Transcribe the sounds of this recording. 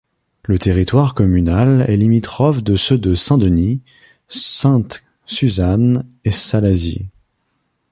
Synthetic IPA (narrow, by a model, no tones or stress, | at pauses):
lət̪eʁit̪waʁkɔmynalɛ̰limit̪χɔfd̪əsød̪əsɛ̃d̪əni | sɛ̃t̪ | syzanesalazḭ